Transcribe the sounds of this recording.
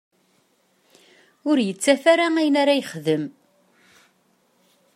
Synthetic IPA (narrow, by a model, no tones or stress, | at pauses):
ʊɾjət͡sːæfaɾaæjənaɾajəχðəm